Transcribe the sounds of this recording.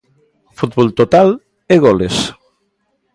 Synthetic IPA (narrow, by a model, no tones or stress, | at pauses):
fut̪̚βolt̪ot̪al | eɣɔles